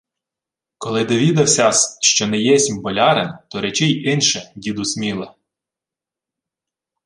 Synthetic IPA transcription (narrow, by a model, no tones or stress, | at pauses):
kɔlˠɪd̪ɔʋʲid̪ɐwsʲɑsʃt͡ʃɔnɛjɛsʲimʲbɔlʲɑɾent̪ɔɾɛt͡ʃɪjɪnʃɛjʲid̪ʊsʲmʲilˠɐ